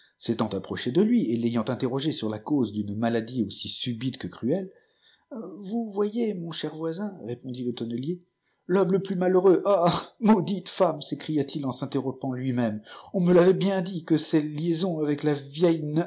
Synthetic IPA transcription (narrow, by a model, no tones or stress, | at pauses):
set̪ɑ̃t̪apχɔʃed̪əlɥielejɑ̃t̪ɛ̃t̪eʁɔʒesyʁlakozd̪ynmalad̪iosisybit̪kəkχyɛl | vuvwajemɔ̃ʃɛʁvwazɛ̃ʁepɔ̃d̪ilət̪ɔnəlje | lɔmləplymaləʁøʔamod̪it̪famsekχijat̪ʰilɑ̃sɛ̃t̪eʁɔ̃pɑ̃lɥimɛmɔ̃məlavɛbjɛ̃d̪ikəsɛljezɔ̃avɛklavjɛjn